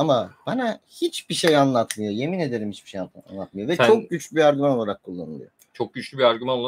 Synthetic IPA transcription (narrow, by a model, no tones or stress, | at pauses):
amab̥anahit͡ʃbiʃejanlˠat̪mɯjoje̞mine̞d̪eɾimhit͡ʃbiʃeja̰nlˠat̪mɯjovɛt͡ʃʰo̞k̚ɟyt͡ʃlʲybiaɾɟymano̞lˠaɾakʰːulˠːa̰nɯ̰lˠɯ̰jo | t͡ʃʰok̚ɟyt͡ʃlʲybiaɾɡymanolˠ